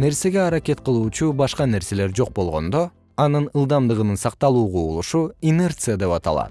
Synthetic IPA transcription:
ne̞ɾse̞ɡʲe̞ɑɾakʲe̞t̪qɯlˠuːt͡ʃubɑʃqɑne̞ɾse̞le̞ɾd͡ʒo̞q̚bo̞lˠʁo̞̰nd̪o̞ | ɑnɯnɯlˠd̪ɑmd̪ɯʁɯnɯnsɑq̚t̪ɑlˠuːʁuːlˠuʃuine̞rt̪sɨjad̪e̞pɑt̪ɑ̰lˠɑ̰t̪

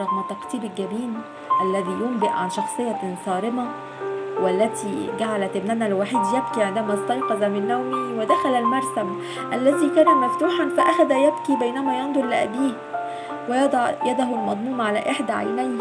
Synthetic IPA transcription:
ɑɣmæt̪ːɑqt̪ˤiːbɪlɡæbiːn | ʔælːæðijʊmbɪʔʕa̰nʃɑxsˤɨjːɑsˤɑːɾɪma | wælːæt̪ʰiɡaʕalæt̪ɪbnænælwaħiːd̪jab̚kiʕend̪æmæsˤt̪ɑjqɑzˤɑmɪnːæwmiwɪd̪æxælælmɑɾˤsam | ʔælːæzikɑɾˤɑmːæft̪uːħanfæʔæxæd̪æjabkibæjnæmæjɑnd̪ˤʊɾlɪʔæ̰biːh | wɪjɑd̪ˤɑʕjæd̪æɦʊlmɑd̪ˤmuːmʕalæʔɪħd̪æʕa̰jnæjn

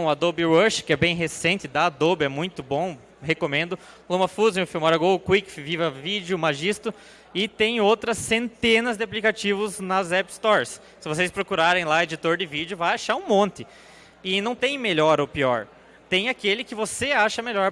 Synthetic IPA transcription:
ɐd̪obɪwɐʃkɪɛbẽj̃ɦesẽnt͡ʃ̪ɪd̪ɐd̪obɪɛmũj̃t̪ʊbõ | hekomẽnd̪ʊ | lõmɐfuzẽʊfimɔɾɐɡowkwikfvivɐvid͡ʒjʊmaʒist̪ʊ | ɪt̪ẽj̃owt̪ɾɐsːẽnt̪ẽnɐzd̪ɪaplikat͡ʃivʊznɐzɛpst̪ɔɾs | sɪvos̬ejspɾokuɾaɾẽj̃laed͡ʒit̪oɾd̪ɪvid͡ʒjʊvajaʃaɾũmõnt̪ɪ | ɪnɐ̃w̃t̪ẽj̃meʎɔɾopiɔɾ | t̪ẽj̃akelɪkɪvoseaʃɐmeʎɔɾ

